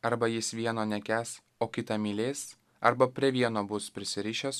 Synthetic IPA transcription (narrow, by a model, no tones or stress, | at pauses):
ɐɾbɐjɪsʋʲiɛnoːnʲɛkʲæːs | oːkʲɪt̪ɐmʲiːlʲeːs | ɐɾbɐpʲɾʲiɛʋʲiɛnoːbʊspʲɾʲɪsʲɪɾʲɪːʃʲɛs